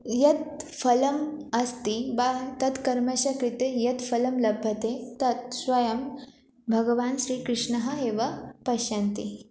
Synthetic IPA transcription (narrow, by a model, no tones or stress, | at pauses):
jɐt̪̚fɐlɐmɐst̪ibat̪ɐt̪kɐɾmɐɕɐkɾit̪ejɐt̪fɐlɐmlɐbʱjɐt̪et̪ɐt̪̚sʋɐjɐm | bʱɐɡəʋaːnɕɾiːkɾɨʂɳɐɦəɦeʋɐpɐɕant̪i